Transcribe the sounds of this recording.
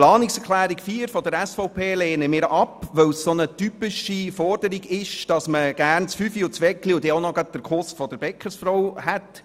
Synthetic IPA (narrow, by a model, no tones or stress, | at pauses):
lɑːnɪksɛɾχlæːɾikfiːəɾfɔdəɾɛsfɔʊpʰeːleːnəmɪːɾʔɑpʋœwssonətypɪʃifɔrdəɾiɡɪʃd̥ɑsməɡ̥æːɾnt͡sfyfiʊt͡sʋɛkliʊdɛonɔɡɑt̚d̥əɾkʰʊstfɔd̥əɾbɛkʰːəsfrɔwhɛt